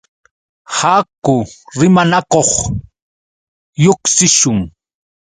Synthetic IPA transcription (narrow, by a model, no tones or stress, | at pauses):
haːkʊɾɪmanakoχ | joksɪʃʊŋ